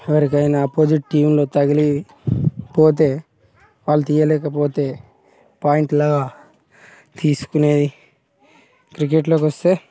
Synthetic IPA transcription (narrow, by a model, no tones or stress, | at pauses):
ɛʋɐɾik̬ɐjnɐpoːd͡ʒiʈʈːiːmlo̞ːt̪ɐɡɐli | po̞ːt̪e̞ː | ʋaːlːut̪iːjɐlɛːkɐpo̞ːt̪e̞ː | paːjiɳʈlaːɡaː | t̪iːsu̥kune̞ːd̪i | kɾik̬eʈlo̞ːkʋɐst̪e̞ː